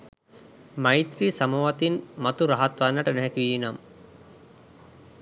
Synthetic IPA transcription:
majt̪ɾisamoʋat̪inmɐt̪uɾaɦat̪ʋanːəʈənɛɦɛkiʋiːnam

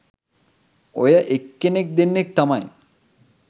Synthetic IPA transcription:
ojɐʔekːenek̚d̪enːek̚t̪ɐmɐj

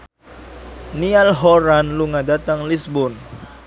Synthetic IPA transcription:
nialɦɔɾanluŋadat̪aŋlisbʊn

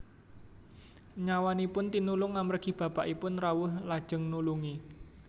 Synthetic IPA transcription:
ɲawanipʊnt̪inulʊŋːamərɡ̥ib̥ä̤paʔipʊnrawʊhlad̥ʒ̥ə̤ŋnuluŋi

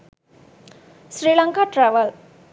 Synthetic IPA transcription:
sɾiːləŋkaʈɾɛʋəl

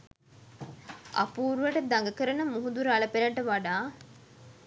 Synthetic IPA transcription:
ʔɐ̰puːɾuʋɐʈəd̪ɐŋɡɐkəɾɐnəmuɦud̪uɾɐɭɐpeɾɐɳʈɐʋaɖaː

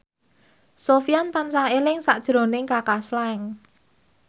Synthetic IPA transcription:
sofijant̪ansaelɪŋsaʔd̥ʒ̥ɾo̤nɪŋkakaslaŋ

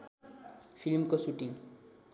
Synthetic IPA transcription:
fʰilmkosuʈiŋ

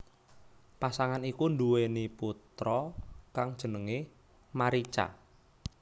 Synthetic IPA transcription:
pasaŋanikunduweniput̪ɾɔkaŋd̥ʒ̥ə̤nəŋe | maɾit͡ʃa̰

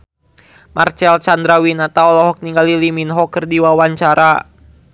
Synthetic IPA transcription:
mʔart͡ʃɛlt͡ʃand̪ɾawinat̪aɔlɔɦɔk̚niŋɡaliliminɦɔkərdiwawaɲt͡ʃaɾa

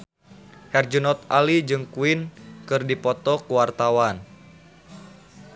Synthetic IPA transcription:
hɛrd͡ʒunɔt̪̚alid͡ʒɨŋkuinkɨrdipɔt̪ɔkuwart̪awan

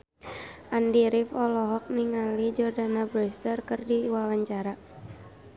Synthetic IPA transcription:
ʔandiɾifɔlɔɦɔk̚niŋalid͡ʒɔrdanabɾɛst̪ərkɨrdiwawaɲt͡ʃaɾa

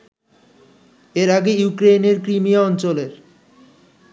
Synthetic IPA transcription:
eɾaɡejukɾejneɾkɾimiaɔnt͡ɕoleɾ

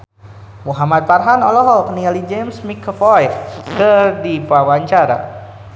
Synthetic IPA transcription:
muɦamat̪̚parɦanɔlɔɦɔlknialid͡ʒemsmikːəfɔjfkɨrdipawaɲt͡ʃaɾa̰

